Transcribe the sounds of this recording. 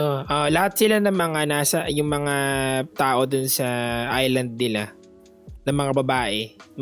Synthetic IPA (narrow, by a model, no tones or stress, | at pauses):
ʔoʔoʔlɐhat̪̚sɪlanɐŋmɐŋanaːsɐjʊŋmɐŋat̪aːʔo̞d̪ʊnsɐʔajlɐnd̪̚nɪla | nɐŋmɐŋabɐbaːʔɛm